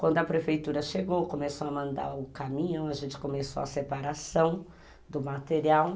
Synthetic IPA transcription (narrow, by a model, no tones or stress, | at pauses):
kwɐ̃nd̪ʊɐpɾefejt̪uɾɐʃeɡowkomesowɐmɐ̃nd̪a̰ʊkamĩɲɐ̃w̃aʒẽnt͡ʃɪ̥komesowɐsepaɾasɐ̃w̃ | d̪ʊmat̪eɾiaw